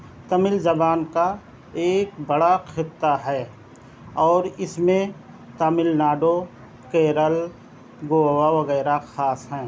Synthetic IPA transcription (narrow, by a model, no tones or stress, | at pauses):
t̪ɐmɪld͡ʒɐbaːnka | eːkbɐɽaxʰɪt̪ːaɦɛː | ɔːɾɪsmẽ | t̪əmɪlnaːɖo | keːɾəl | ɡoːwaʋɐɣɛːɾaxaːsɦɛ̃ː